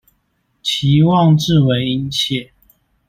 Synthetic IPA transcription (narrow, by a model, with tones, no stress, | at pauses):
t͡ɕʰi˨˥wɑ˥˨ŋʈ͡ʂɻ̩˥˨we˨˧˥ɪi˦nt͡ɕʰjɛ˥˨